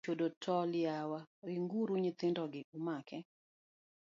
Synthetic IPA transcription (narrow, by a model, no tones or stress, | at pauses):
odotʰɔlɪawaɾɪŋɡuɾuɲɪt̪ɪndɔɡɪʔumakɛ